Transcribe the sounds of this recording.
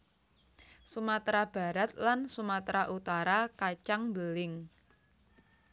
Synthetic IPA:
sumat̪ɾab̥a̤ɾat̪̚lansumat̪ɾaʔut̪aɾakat͡ʃaŋbəlɪŋ

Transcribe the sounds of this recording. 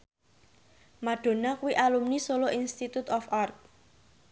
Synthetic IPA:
maɖ̪̥o̤nakuwiʔalumnisoloʔinst̪it̪ut̪ɔfart̪̚

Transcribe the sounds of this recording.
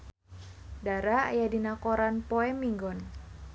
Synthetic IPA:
daɾa̰ːjadinakɔɾanpɔɛmiŋɡɔn

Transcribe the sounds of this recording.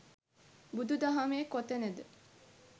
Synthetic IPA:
bud̪ud̪aɦameːkot̪ənəd̪ə

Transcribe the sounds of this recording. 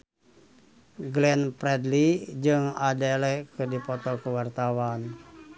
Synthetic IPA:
ɡlɛnpɾɛdlid͡ʒɨŋadalɛkədipɔt̪ɔkəwart̪awan

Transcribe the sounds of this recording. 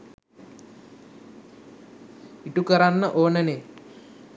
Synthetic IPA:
iʈukəɾanːəʔoːnəne

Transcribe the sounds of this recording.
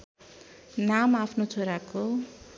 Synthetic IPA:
namapʰnot͡sʰoɾako

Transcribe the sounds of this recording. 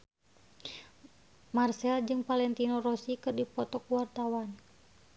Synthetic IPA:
marsɛld͡ʒɨŋpalɛnt̪inorɔsikɨrdipɔt̪ɔkwart̪awan

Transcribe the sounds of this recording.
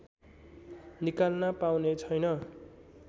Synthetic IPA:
nikalnapawnet͡sʰʌjnʌ

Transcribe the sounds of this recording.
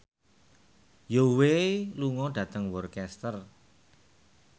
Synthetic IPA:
joweluŋɔɖ̥ä̤t̪əŋwɔrkɛst̪ər

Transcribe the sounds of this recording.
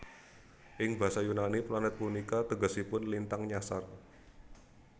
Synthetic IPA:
ʔɪŋba̤sajunaniplanɛt̪̚punikat̪əɡɔ̤sipʊnlint̪aŋɲasar

